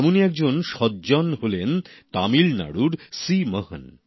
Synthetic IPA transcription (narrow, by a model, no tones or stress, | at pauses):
moniɛk̚d͡ʑonʃɔd̪̚d͡ʑɔnɦolent̪amilna̰ɽuɾsiməɦə̰n